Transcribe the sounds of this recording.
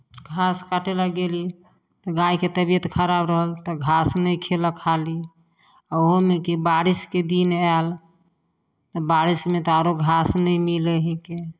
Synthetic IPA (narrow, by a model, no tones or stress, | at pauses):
ɡʱaskaʈelaɡeli | t̪ɔɡãiket̪əbijət̪kʰəɾabɾəɦəlt̪ɔɡʱasnəjkʰeləkʰali | aoɦomekibaɾisked̪inal | t̪ɔbaɾismet̪ɔaɾoɡʱasnəjmileɦike